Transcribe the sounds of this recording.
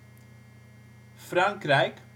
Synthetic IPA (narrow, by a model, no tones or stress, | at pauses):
fraŋkɾɛjk